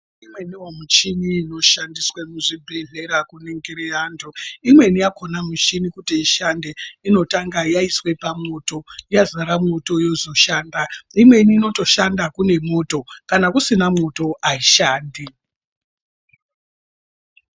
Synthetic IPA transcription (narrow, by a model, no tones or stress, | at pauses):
imwe̞niwomut͡ʃiniːno̞ʃandiswamuʐibʱe̞ɮe̞ɾakuneŋɡeɾeaːndʱoimwe̞nijako̞namut͡ʃinikutiiʃandeino̞taŋɡajaiswe̞pamo̞to̞jazaɾamoto̞jo̞zo̞ʃaːndaimwe̞niːno̞to̞ʃandakune̞mo̞to̞kanakusinamoto̞ʔaiʃaːndi